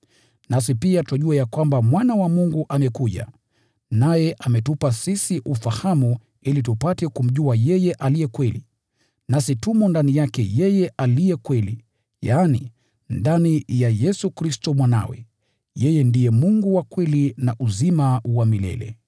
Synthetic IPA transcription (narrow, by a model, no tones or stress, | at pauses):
nasipiatɔʄuajakwambamwanawamuŋɡuʔamɛkuʄa̰ | najɛʔamɛtupasisiʔufahamu | ilitupatɛkum̩ʄuajɛjɛʔalijɛkwɛlḭ | nasitumɔndanijakɛjɛjɛʔalijɛkwɛli | jaːnḭ | ndanijajɛsukɾistɔmwana̰wɛ̰ | jɛjɛndijɛmuŋɡuwakwɛlinaʔuzimawamilɛ̰lɛ̰